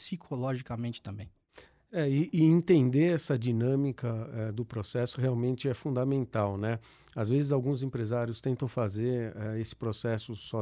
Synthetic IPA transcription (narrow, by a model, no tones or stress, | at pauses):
sikʰolɔʒikɐmẽt͡ʃɪ̥t̪ɐ̃mbḛ̃j̃ | ɛɪʔːẽnt̪ẽnd̪eɾɛsɐd͡ʒinɐ̃mikɐɛd̪ʊpɾosɛsʊɦeawmẽnt͡ʃɪɛfũd̪amẽnt̪awnɛ | azvezɪzawɡũzẽpɾezaɾjʊst̪ẽnt̪ɐ̃w̃fazeɾɛesɪ̥pɾosɛsʊsɔ